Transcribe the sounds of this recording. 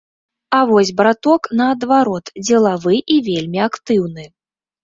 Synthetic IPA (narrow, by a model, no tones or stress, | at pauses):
avɔsʲbɾat̪ɔknɐːd̪vaɾɔt̪d͡zʲɛlˠavɨʔivʲelʲmʲiakt̪ɨwnɨ